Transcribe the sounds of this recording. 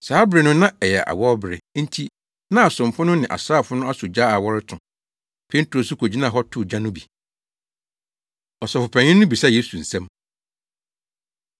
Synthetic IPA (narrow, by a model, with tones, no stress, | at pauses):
saː˦bɾɪ˨nʊ̃˦nã˦ɛ˨jɛ˨ʔa̰˨wɔ˦bɾɪ̰˨n̩˦tʰi˦ | nã˦a˨sʊ̃˨m˨fʊ˦nʊ̃˦nɪ̃˨ʔa̰˨saː˦˨fʊ˦nʊ̃˦a˦sʊ˨d͡ʑaː˦a˨wɔ˦ɾɪ˦tʰʊ̃˨ | pʰe˦n˦tʰo˨su˦kʰo˨d͡ʑi˦nã˦˨ɦɔ˦tʰʊ˦˨d͡ʑã˦nʊ̃˦bi˨ | ɔ˨sɔ˨fʊ˨pʰɛ̃˨ɲɪ̃˦nːʊ̃˦bi˨sa˦˨jeː˦su˨n̩˨sɛ̃˦m